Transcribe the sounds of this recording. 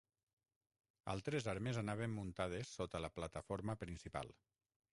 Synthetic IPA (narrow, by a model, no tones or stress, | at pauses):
a̰lˠt̪ɾezaɾmezanaβ̞emːunt̪að̞esːot̪ələplat̪əfoɾməpɾinsipa̰lˠ